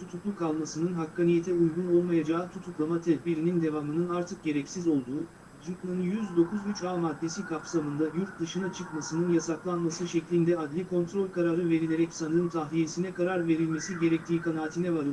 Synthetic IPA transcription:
t̪ʰut̪ʰuklˠukʰalˠmasɯnɯnɦakːanijet̪ʰɛujɡuno̞lˠmajad͡ʒaːt̪ʰut̪ʰuklˠamat̪ʰɛd̪biɾinind̪e̞vaːmɯnɯnaɾt̪ʰɯk̚ɟe̞ɾɛcsizo̞lˠd̪uː | d͡ʒɯklˠɯnjyzd̪o̞kuzyt͡ʃaːmad̪ːe̞sikʰapsamɯnd̪ajuɾt̪̚d̪ɯʃɯnat͡ʃʰɯkmasɯnɯnjasaklˠanmasɯʃɛclʲind̪ɛad̪lʲikʰo̞nt̪ɾo̞lʲkʰaɾaɾɯve̞ɾilʲe̞ɾɛcsanɯmt̪ʰaɦlʲijesinɛkaɾaɾve̞ɾilʲme̞siɟe̞ɾɛc̚t̪ʰiːkʰanaːt̪ʰinɛvaɾɯ

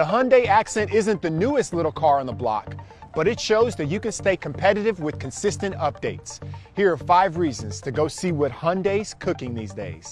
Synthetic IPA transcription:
əɦʌ̃ndeɪæksɛ̃ntɪzɨ̃nðɨnuɨstˡlɪɾl̩ˠkʰɑɹə̃nðəblɑ̰kb̥ʌɾɨtʃoʊzðɨt͡ʃɨkɨ̃nsteɪkʰm̩pʰɛɾɨɾɨvwɨð̥kʰɨ̃n̩sɪstɨ̃ntʌp̚d̥eɪtshiɹə˞faɪvɹizɨ̃nz̥tʰɨɡoʊsiwʌt̚hʌ̃ndeɪz̥kʰʊkɪ̃ŋðḭzdeɪz̥

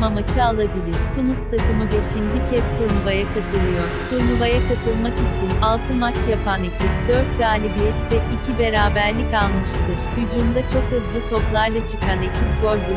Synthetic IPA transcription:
mamat͡ʃʰɯalˠabilʲiɾ̥t̪ʰunust̪ʰakɯmɯbe̞ʃind͡ʒicʰɛst̪ʰuɾnubajakʰat̪ʰɯlˠɯjo̞ɾ̥t̪ʰuɾnuvajakat̪ʰɯlˠmakit͡ʃʰinalˠt̪ʰɯmat͡ʃʰjapʰanecʰip̚d̪øɾt̪̚ɡaːlʲibijɛt̪vɛʔicʰibe̞ɾaːbæɾlʲikalˠmɯʃt̪ʰɯɾ̥hyd͡ʒund̪at͡ʃʰo̞khɯzlˠɯt̪ʰo̞plˠaɾlˠat͡ʃʰɯkʰanecʰiɡoɾbu

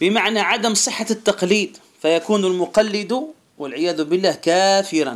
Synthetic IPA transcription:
bɪmaʕnæʕad̪əmsˤəħːat̪ːɑqliːd̪ | fæjakuːnʊlmʊqɑlːɪd̪u | wəlʕɪjæːd̪ʊbɪlːæːhkæfɪɾɑ̰n

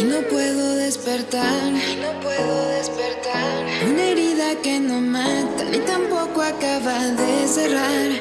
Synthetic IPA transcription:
no̞pwe̞ðo̞ðe̞spe̞ɾt̪aɾno̞pwe̞ðoðe̞speɾt̪aɾuneɾiðake̞no̞mat̪a̰it̪ampo̞koakaβaðe̞se̞raɾ

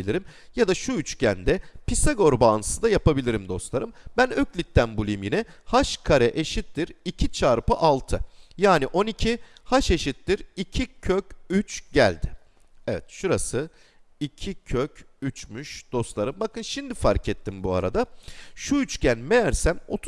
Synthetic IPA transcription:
ilʲiɾim | jad̪aʃuyt͡ʃcænd̪ɛpʰisaɡo̞ɾbaːnɯsɯd̪ajapabilʲiɾimd̪o̞slˠaɾɯmbænøclʲit̪ːænbulˠijmjinɛhaʃkʰaɾɛʔeʃit̪ːiɾicʰit͡ʃʰaːɾpɯʔalˠt̪ʰɯjaːniʔo̞nicʰihaʃe̞ʃit̪ːiɾicʰicʰøcyt͡ʃɟæ̰lʲd̪ɪ | ɛvɛt̪ʃuɾasɯ | icʰicʰøcyt͡ʃmyʃd̪̥o̞slˠaɾɯmbakɯnʃimd̪ifaɾcʰɛt̪ʰːimbua̰ɾa̰d̪aʃuyt͡ʃcænmejæɾsæmo̞̰t̪ʰ

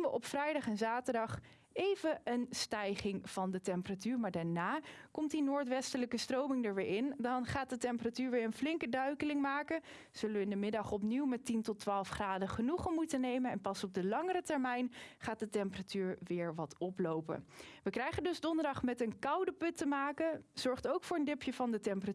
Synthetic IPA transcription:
inʋəʔɔpfrɛjdɑχɛnzaːtəɹdɑχ | ejvəənstɛjχɪŋv̥ɑndətɛmpəratyːɹmaːɹdaɹnaːkɔmtdinoːɹtʋɛstələkəstrowmɪŋdəɹʋɪːɹʔɪndɑnχaːt̚dətɛmpəratyːɹʋɪːɹənflɪŋkədœɥkəlɪŋmaːkə | z̥ɵlənʋəɪndəmɪdɑχɔpniwmɛtintɔtːʋaːlˠfχraːdəχənuχəmutənejmənɛnpɑsɔb̚dəlɑŋəɾətɛɹmɛjnχaːt̚dətɛmpəratyːɹʋɪːɹʋɑtɔplowpə̰nʋəkrɛjχəndɵzdɔndəɹdɑχmɛtənkɑwdəpɵtəmaːkənz̥ɔɹχtowkfʊːɹəndɪpjəvɑndətɛmpəra

